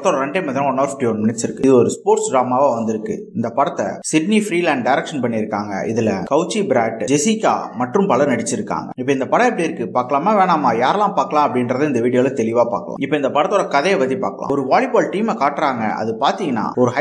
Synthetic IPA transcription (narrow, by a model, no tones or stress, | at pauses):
t̪ːoːɭɐɾɛɳɖemɐðɪɾɐ̃ɔnːoːɾfʈiɔnmɪnɪʈsɪɾɯkːɯðɯɔɾɯspoːʈsɖɾaːmaːʋaʋɐnd̪ɪɾɯkːɯ̰ɪnd̪ɐpɐɽɐt̪ːɐ̰sɪɖnifɾiːlaːɳɖɖɐɪɾɛkʂɐnpɐɳːɪɾɯkːaːŋɡɐ̰ʔɪðɪlɐkɐʊt͡ʃːibɾaːʈd͡ʒɛsɪkːa̰ːmɐʈrɯmpɐɭɐɾnɐɽɪt͡ʃːɪɾɯkːa̰ːŋɡɐ̰ɪpːɐɪnd̪ɐpɐɽɐ̃ɛpːɐɽiɪɾɯkːɯpaːɾkːɐɭaːmaːʋeːɳaːmaːjaːɾɐlãːpaːɾkːɐlãːɐpːɐɽɪnɾɐðɯɪnd̪ɐʋiːɽɪjoːlɐt̪ɛlɪʋaːpa̰ːkːɐ̰ɭã̰ːɪpːɐːɪnd̪ɐpɐɽɐt̪ːoːɽɭɐkɐðɛjɐpɐt̪ːipa̰ːɾkːɐɭa̰ːɔɾɯʋaːɭɪpːoːlʈiːmɛkaːʈɾaːŋɡɐ̰ɐ̰ðɯpaːɾt̪iŋɡɐnːa̰ːɔɾɯɦɐ